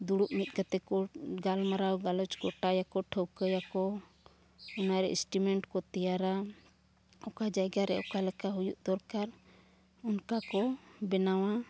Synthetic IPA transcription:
d̪uɽuʔmit̪̚ɡat̪ɛkɔɡalmaɾawɡalɔt͡ʃɡɔʈajakɔʈʰəwkəjakɔ | ɔnaɾɛ̰ʔisʈimɛɳʈkɔt̪ɛjaɾa | ɔkad͡ʒajɡaɾɛɔkalɛkaɦujuʔd̪ɔɾkaɾ | ɔnkakɔbɛnawa

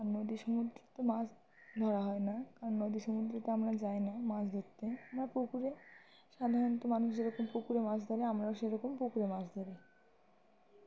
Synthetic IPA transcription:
anːod̪iʃɔmud̪ɾet̪omas | d̪ʱɔɾaɦɔenakaɾonːod̪iʃɔmud̪ɾet̪oamɾad͡ʑajnamasʰd̪ʱot̪ːeamɾapokuɾe | ʃad̪ʱaɾont̪omanuʃd͡ʑeɾɔkompokuɾemat͡ɕʰd̪ʱɔɾeamɾaoʃeɾɔkompokuɾemasʰd̪ʱɔɾe

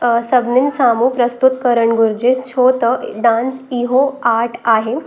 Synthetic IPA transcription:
sɐbninsaːmupɾəst̪ut̪kəɾəɳɡuɾd͡ʑit͡ɕʰoːt̪əɖãːnsiɦoaːʈʰaːɦe

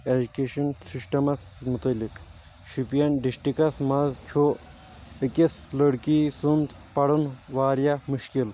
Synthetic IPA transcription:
ed͡ʒukeːʃɐnsisʈɐmɐs | mut̪ɐlːik | ʃupijɐnɖisʈikɐsmɐzt͡ʃʰo | ikislɐɽkisund̪ | pɐɽunʋaːɾijamuʃkil

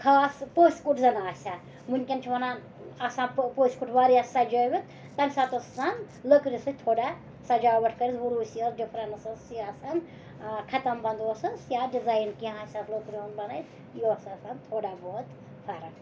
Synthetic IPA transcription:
kʰaːspoːsʲkuʈʰzɐnaːsʲa | munʲkʲɐnt͡ʃʰʋɐnaːn | ɐsãːpoːsʲkuʈʰʋaːɾiɐsːɐd͡ʒoʋʲit̪ | t̪ɐnʲsaːt̪ossan | ləkɾʲisɨt̪ʰoːɽa | sɐd͡ʒaːʋɐʈʰkɐɾizʋuɾuːsjosɖifʰɾɐnsɨsjasɐn | kʰɐt̪ɐmbɐnd̪oːsɨsjaːɖizaːjnkiãaːsʲɐzlokɾionbɐnɐjs | josɐsant̪ʰoːɽaːboːt̪ | pʰɐɾɐn

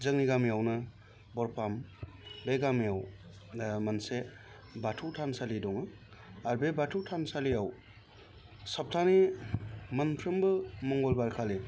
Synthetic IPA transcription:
zɯŋniɡamijawnɯ | bɔɾpʰambeɡamiaw | mɐnse | batʰuwtʰansalidɔŋɯ | aɾbebatʰuwtʰansalijaw | sap̚tʰani | mɐnpʰɾɯmbɯmɔŋɡɔlbaɾkʰale

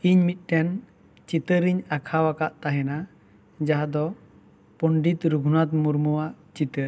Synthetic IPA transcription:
iɲmit̪̚ˀʈɛn | t͡ʃit̪əɾiɲakʰawakaʔt̪aɦɛna | d͡ʒaɦad̪ɔ | pɔɳɖit̪ɾuɡʱunat̪̚muɾmuwaʔt͡ʃit̪əɾ

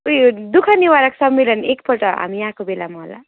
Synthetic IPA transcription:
ujd̪ukʰʌniwaɾʌksʌmːelʌnekpʌlʈʌɦa̰mijaɦãkobela̰mʌɦola̰

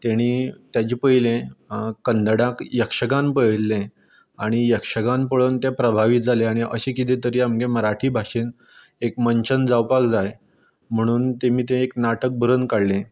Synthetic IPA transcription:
t̪aɽ̃iːt̪jat͡ɕiːpəɦilẽkːənd̪əɽãkjəkʂəkãmpəɽlẽ | aɽ̃ijəkʂəɡãnpəɭəːnt̪epɾəbʱaʋit̪̚d͡zʱalẽaɽ̃iʔəɕekit̪̬ĩt̪əɾiːamkẽməɾaʈʰiːbʱaʂiːn | ekməɲt͡ɕənd͡zawpakd͡zaj | m̤əɽ̃uːnt̪emiːt̪̬ẽeknaʈək̚bʱəɾənkaɽlẽ

